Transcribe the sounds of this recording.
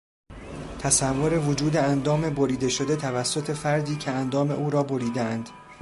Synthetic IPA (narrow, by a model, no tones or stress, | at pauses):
t̪ʰæsævːoɾe̞vod͡ʒuːd̪eænd̪ɒːme̞boɾiːd̪e̞ʃo̞d̪e̞t̪ʰævæsːo̞t̪ʰe̞fæɾd̪iːcʰe̞ænd̪ɒːme̞̰ʔuːɾɒːboɾiːd̪eænd̪̥